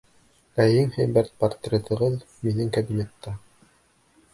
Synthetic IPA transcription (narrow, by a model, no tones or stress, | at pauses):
æjiŋhæjbæɾt̪̚pɐrt̪ɾʲet̪ɤ̆ʁɤð | minɘŋkæd̪imʲet̪ːɑ